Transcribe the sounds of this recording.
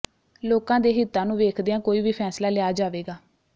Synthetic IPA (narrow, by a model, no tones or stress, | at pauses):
loːkãːd̪eːɦɪt̪ːãːnũːʋeːkʰd̪eːãːkoːiːʋiːpʰɛːslaːlɪjaːd͡ʒaːʋeːɡaː